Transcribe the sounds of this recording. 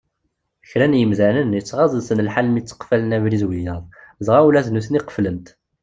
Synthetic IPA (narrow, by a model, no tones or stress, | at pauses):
əçɾænjəmzænənjət͡sːʁɑzˤəðsənəlħalmit͡sːə̥qfælənævɾizwijɑðˤ | zʁawlæznusniqə̥fləmt̪